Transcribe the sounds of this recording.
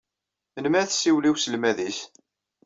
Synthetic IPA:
ənmæθsːiwliwsəlmæðis

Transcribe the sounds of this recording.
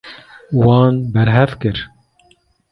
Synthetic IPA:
wɑːnbɛɾɦɛvkɨɾ

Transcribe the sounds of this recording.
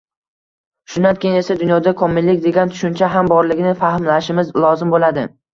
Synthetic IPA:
ʃʊnankʲʰenesad̪ʊnjɒd̪akʰɒmɪlːɪkʲd̪e̞ɡʲant̪ʰʊ̥ʃʊnt͡ʃʰaɦambɒɾlɪɡʲɪnɪfahmlaʃɪmɪzlˠɒzɪmbolad̪ɪ

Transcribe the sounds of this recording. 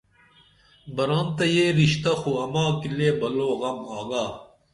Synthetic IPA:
bɐɾant̪ɐjeːɾiɕt̪ɐxuɐmaːkileːbɐloːɣɐmaːɡaː

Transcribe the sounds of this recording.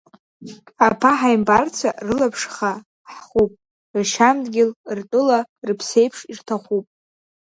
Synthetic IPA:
apʰaħajmbart͡sʷʰarɨlapʰʂχa | ħχupʼ | rʃamdɡʲɪlrtʼʊlarɨpʰse̞jpʰʂirtʰaχupʼ

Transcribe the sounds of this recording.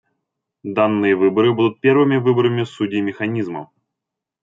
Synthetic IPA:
d̪anːɨjəvɨbəɾɨbud̪ʊt̪̚pʲe̞ɾvɨmʲɪvɨbəɾəmʲɪsudʲɪːmʲɪxɐnʲizmə̰

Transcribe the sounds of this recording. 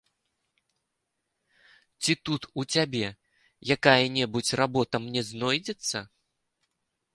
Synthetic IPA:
t͡sʲit̪ut̪ut͡sʲabʲɛ | jakajɐnʲɛbut͡sʲrabɔt̪ɐmnʲɛznɔjd͡zʲɛt̪sːɐ̰

